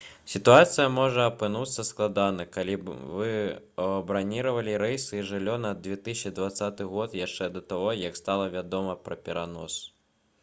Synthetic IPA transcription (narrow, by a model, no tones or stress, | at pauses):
sʲit̪uat̪sɨjɐmɔʐɐɐpɨnut̪sːɐsklˠad̪anɐkalʲivɨ | ɐɐbɾanʲiɾɐvɐlʲiɾɛjsɨːʐɨlʲːɔnɐd̪ʲvʲɛt̪ɨsʲt͡ʃid̪vat̪sːat̪ɨɣɔt̪jaʂt͡ʂɛd̪ɐt̪aɣɔjɐkst̪alˠɐvʲad̪ɔmɐpɾɐpʲɛɾanɔs